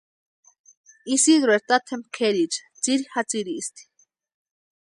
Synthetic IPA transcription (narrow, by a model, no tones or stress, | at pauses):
isid̪ɾeɾt̪at̪ʰemkʰeɾit͡ʃḁt͡siɾixat͡siɾiːst̪ʰi̥